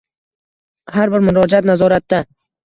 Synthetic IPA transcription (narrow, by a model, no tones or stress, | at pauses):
haɾbɪɾmʊɾɒd͡ʒat̪nazɒɾat̪ːa